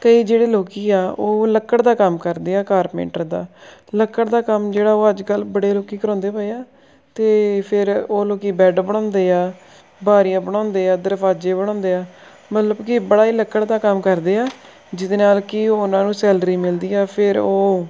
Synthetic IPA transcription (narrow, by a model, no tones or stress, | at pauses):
kəiːd͡ʒeːɽeːloːkiːaːoːləkːəɽd̪aːkəmkəɾd̪eːaːkaːɾmḛːɳʈəɾd̪a̰ːləkːəɽd̪aːkəmd͡ʒeːɽaːoːəd͡ʒkəlbəɽeːloːkiːkəɾɔ̃ːnd̪eːpaeaː | t̪eːpʰɪɾoːloːkiːbɛːɖbəɽ̃ɔ̃ːnd̪eːaː | baːɾijãːbəɽ̃ɔ̃ːnd̪eːaːd̪əɾfaːd͡ʒeːbəɽ̃ɔ̃ːnd̪eːaː | mət̪ləbkɪbəɽaːiːləkːəɽd̪aːkəmkəɾd̪eːaː | d͡ʒɪd̪eːnaːlkɪoːʊnãːnũːsɛːlɾiːmɪld̪iːaːpʰɪɾoː